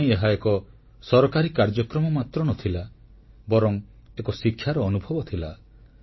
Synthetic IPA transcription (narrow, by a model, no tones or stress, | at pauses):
j̃eɦaekɔ | sɔɾɔkaɾikaɾd͡ʒɔkɾɔmɔmat̪ɾɔnɔt̪ʰila | bɔɾɔŋekɔsikʰːjaɾɔːnubʱɔbɔt̪ʰila